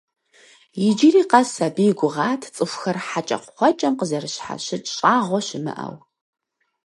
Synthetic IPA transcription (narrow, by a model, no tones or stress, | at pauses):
jɪd͡ʒiriːqɐsɐbijɡʷʊʁɑːtʰt͡sʼɨfʷxɐrħat͡ʃʼɐ̰qʷʊχʷɔt͡ʃʼɐmqəzɐrɨɕħa̰ʃɪtʰʼɕʼaːʁʷɔʃɪmɨ̰ʔɐ̰w